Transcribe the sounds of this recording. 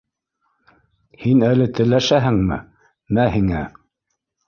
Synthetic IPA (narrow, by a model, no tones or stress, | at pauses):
hinælɘt̪ɘ̆læʃæɦɘŋmɘ̰ | mæhiŋæ